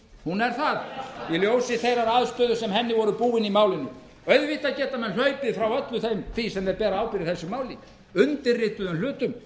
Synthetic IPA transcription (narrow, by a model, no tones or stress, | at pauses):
hunɛɾθaðiljowsɪθejɾaɾaːðst̪œːðʏ̥sɛmhɛnːɪvɔɾʏpuːɪnimaːwlɪnːʏ | œɥðvit̪acɛːt̪amɛnl̥œɥpɪðfɾawœt̪lʏθejmθisɛmɛɾpɛːɾaaːwpɪɾɪθɛsːʏmaːwlɪ | ʏnt̪ɪrːɪːht̪ʏðʏnl̥ʏːt̪ʏm